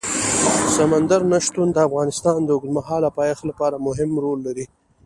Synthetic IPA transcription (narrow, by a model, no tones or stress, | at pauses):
samand̪aɾnaʃt̪und̪əafɣɑnɪst̪ɑnd̪əʊɡd̪maɦɑlapɑjaxlapɑɾamʊɦɪmɾolːaɾi